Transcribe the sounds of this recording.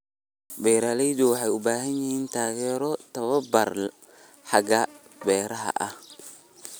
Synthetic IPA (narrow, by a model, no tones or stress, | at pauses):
bɛːɾalɛjd̪ʊwɑħɑjʊbaːɦɐnjɪhiːnt̪ʰaːɣɛːɾɔt̪ʰɐβɐbɐr | ħɑɡɐ | bɛːɾɐɦɐ̰ʔɐh